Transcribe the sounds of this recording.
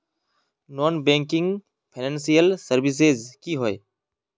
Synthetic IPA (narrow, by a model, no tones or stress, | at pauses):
noːnbẽːŋkɪŋɡ | pʰeneːnsijəlsəɾʋis̬eːzkiːɦoːeː